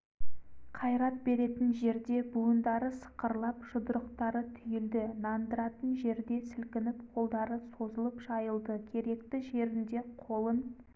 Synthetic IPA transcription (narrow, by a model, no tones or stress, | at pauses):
qʰɑjɾɑt̪̚be̞ɾe̞t̪ɪnʒe̞ɾd̪e̞buənd̪ɑɾəsə̥qəɾlˠɑpʒʊd̪əɾəqt̪ɑɾət̪ʰʏjɪld̪ɪnɑnd̪əɾɑt̪ənʒe̞ɾd̪e̞sɪlkʲɪnɪp̚qʰo̞lˠd̪ɑɾəso̞zəlˠəpʒɑjəlˠd̪əkʲʰe̞ɾe̞k̚t̪ɪʒe̞ɾɪnd̪e̞qʰo̞lˠən